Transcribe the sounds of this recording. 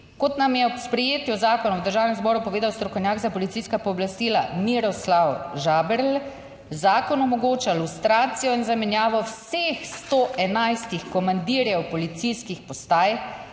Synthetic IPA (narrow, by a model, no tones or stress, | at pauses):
kɔt̪namjɛɔpspɾɛjeːt̪jɔzaːkɔnɔwd̪əɾʒaːwnɛmzbɔːɾupɔʋeːd̪awst̪ɾɔkɔwnʲjaːɡzapɔlit̪sijskapɔːblast̪iːlamiɾɔslawʒaːbɛɾl | zaːkɔnɔmɔɡoːt͡ʃalust̪ɾaːt̪sijɔinzamɛnjaːʋɔwsexst̪oːʔɛnajst̪ixkɔmand̪iːɾjɛwpɔlit̪sijskixpɔst̪aːj